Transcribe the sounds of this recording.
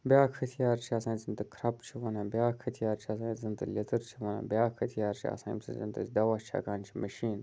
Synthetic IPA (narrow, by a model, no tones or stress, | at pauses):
bʲjaːkʰɐt̪ʰijaːɾt͡ʃʰiasãːnzɨnt̪ɨkʰɾɐpt͡ʃʰiʋɐnabjaːkʰɐt̪ʰijaːɾt͡ʃʰiasãːnzɨnt̪ɨlʲet̪ɨɾt͡ʃʰiʋɐna̰bjaːkʰɐt̪ʰijaːɾt͡ʃʰia̰sã̰ːnbsɨ̰zɨ̰nt̪ɨdɐwat͡ʃʰa̰ːkaːnt͡ʃʰimɐʃiːn